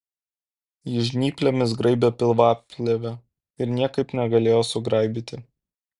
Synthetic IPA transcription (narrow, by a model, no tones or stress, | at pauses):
jɪʒʲnʲiːpʲlʲɛmʲɪsɡɾɐɪbʲɛpʲɪlˠʋɑːpʲlʲɛʋʲɛ | ɪɾnʲiɛkɐɪpnʲɛɡɐlʲeːjoːsʊɡɾɐˑɪbʲit̪ʲɪ